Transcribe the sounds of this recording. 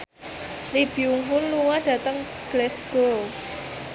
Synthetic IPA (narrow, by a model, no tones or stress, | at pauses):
lib̥iuŋɦʊnluŋaɖ̥ä̤t̪əŋ | ɡ̥lɛsɡ̥o